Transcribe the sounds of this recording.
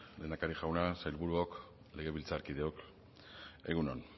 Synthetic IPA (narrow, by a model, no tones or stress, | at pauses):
le̞nd̪akaɾiʝawnasajlβuɾuok | le̞ɣe̞βilt͡saɾkið̞e̞ok | e̞ɣunon